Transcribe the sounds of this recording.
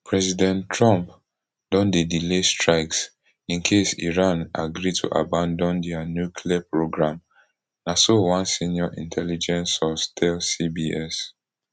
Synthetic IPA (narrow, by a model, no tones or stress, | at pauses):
pʰɹɛzidɛ̃ntɹãmp | dɔ̃ndedilestɹaɪks | ĩnkʰesḭɹãnaɡɹitʰṵʔa̰bãndɔ̃ndɛanjukʰliapɹoɡɹãm | nasowãnsĩnjɔʔḭ̃ntʰɛlid͡ʒɛ̃nsɔstʰɛlsibiɛs